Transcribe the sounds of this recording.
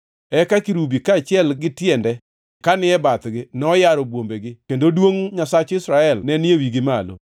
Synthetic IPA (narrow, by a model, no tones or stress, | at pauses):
ɛkakiɾubikaːt͡ʃɪɛlɡɪtjɛndɛ | kanɪɛbat̪ɡɪnɔjaɾobwombeɡɪkendodwoŋɲasat͡ʃɪsɾaɛlnɛnewiɡɪmalo̰